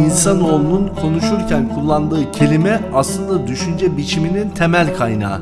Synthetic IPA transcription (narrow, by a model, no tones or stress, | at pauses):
insano̞lˠununkʰo̞nuʃuɾcʰænkʰulˠːand̪ɯːcʰe̞lʲimɛaslˠɯnd̪ad̪yʃynd͡ʒɛbit͡ʃʰiminint̪ʰemælʲkʰajna̰ː